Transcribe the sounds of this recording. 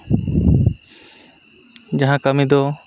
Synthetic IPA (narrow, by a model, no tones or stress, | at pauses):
d͡ʒaɦãkəmid̪ɔ